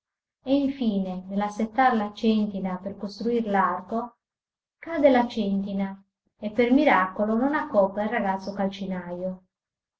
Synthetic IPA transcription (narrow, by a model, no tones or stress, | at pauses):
eiɱfiːnenelasːet̪ːaɾlat͡ʃɛnt̪inaperkost̪ɾuirlarko | kad̪elat͡ʃɛnt̪̬ina | epːermiɾakolononakːɔpːairaɣat̪sːokalt͡ʃinajo